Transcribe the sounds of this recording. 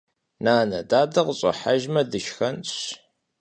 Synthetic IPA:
naːnɐdaːdɐqəɕʼɐ̰ħaʒmɐdɨʃxɐnɕ

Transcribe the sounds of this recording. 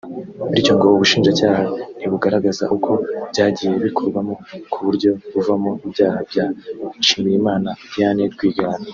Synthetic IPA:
uɾico̞ŋɡoβoβuʃiːnd͡ʒacaːhan̥iβuɡaɾaɡaza̰ʔukʰo̞b̥ɟaːɟiːje̞βikʰo̞ɾɡwamokʰuβuɾɟo̞βuvamoibɟaːhab̚ɟaiʃimijimaːnajaneɾɡwiːɡaːna

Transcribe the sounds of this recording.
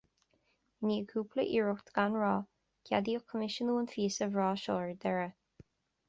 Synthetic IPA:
niːəkʰuːpʰləʔiːɹʊkt̪ɡ̥anɹɑː | kʰʲad̪iʊkʰəmɪʃənuːənfiːsəvɹɑːʃoːɹd̪ɛɹə

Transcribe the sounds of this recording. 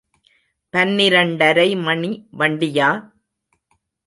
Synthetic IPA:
pɐnːɪɾɐɳɖɐɾɐɪmɐɳiʋɐɳɖɪjaː

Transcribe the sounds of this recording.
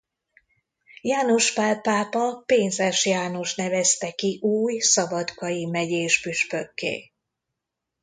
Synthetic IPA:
jaːnoʃfaːlpaːpɒpeːnzɛʃjaːno̞ʃnɛvɛst̪ɛkiʔuːjsɒbɒt̪kɒjimɛɟeːʃpyʃpø̞kːḛː

